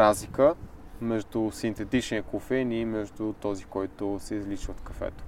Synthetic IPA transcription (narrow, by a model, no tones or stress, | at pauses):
azlikəmɛʒd̪ʊsint̪ɛt̪it͡ʃniəkˠofɛnimɛʒd̪ʊt̪ɔzikɔjt̪ʊsɛizlit͡ʃvət̪kɐfɛ̰t̪o̥